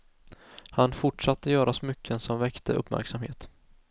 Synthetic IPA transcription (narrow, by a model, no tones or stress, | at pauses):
hanfʊʈʂat̪ʰːəjœːɾasmʏkːənsɔmvɛkt̪ʰə̰ʔɵ̰pːmæ̰ɾksamhḛːt̪